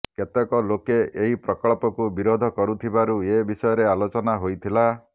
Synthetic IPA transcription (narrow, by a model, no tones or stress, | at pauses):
ket̪ekɔlokeʔeɦipɾɔkɔɭpɔkubiɾod̪ʱɔkɔɾut̪ʰibaɾuebisɔjɔɾealot͡ʃɔnaɦojt̪ʰila